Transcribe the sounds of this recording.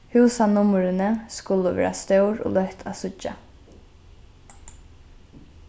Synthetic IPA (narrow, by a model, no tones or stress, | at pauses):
hʉːsanʊməɾɪnəskʊlːəʋɛ̰ːɾa̰st̪œwɾo̰ːlœht̪ʰasʊt͡ʃːa̰